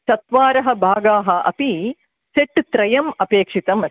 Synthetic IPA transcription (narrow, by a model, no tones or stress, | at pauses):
sɐt̪ʋaːɾɐɦɐbʱaːɡaːɦɐʔɐ̰pi | seʈt̪ɾɐjɐmɐpeːkʂit̪ɐmɐ